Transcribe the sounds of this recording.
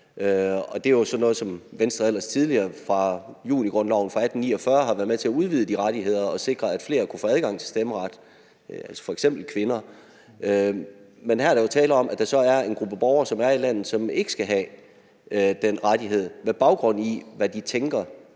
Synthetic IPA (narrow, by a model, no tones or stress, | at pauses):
øɒ̽d̥e̝æjosɒ̽nɔ̽ːð̞̩ˠsɒ̽mʋensd̥ʁɐel̰ɐst͡sʰið̞ˠliɐːfʁɑ̈jṵːniɡ̥ʁɔ̽nlɑʊn̩fʁɑ̈æd̥n̩ːḭːɒfɶɐɦɑ̈ʋæɐð̩ˠmet͡sʰe̝æuð̞ˠʋið̞ˠəd̥iʁaɾ̥iɦe̝ð̞̰ˠɐɒ̽se̝ɡ̥ʁɐæd̥fle̝̰ːɐkʰu̥fɔ̰ːæð̞ˠɡ̥ɑ̈ŋ̰t͡sʰe̝sd̥eməʁɑd̥ | ælsɒ̥fɒ̽eɡ̥sem̰b̥l̩kʰʋe̝nɐ | menhæɐɐɾ̥ɑ̈jo̝t͡sʰɛːlɐɒ̽m̰ʔæd̥ɑ̈sɒ̽æɐe̝nɡ̥ʁub̥əb̥ɒʊɐːsɒ̽mæɐilæn̰ð̩ˠsɒ̽me̝ɡ̥ə̥sɡ̥æɦɛ | d̥enʁad̥iɦe̝ð̞̰ˠmeb̥ɑ̈ʊɡ̥ʁɔ̽n̰iʋæd̥it͡sʰeŋɡ̥ɐ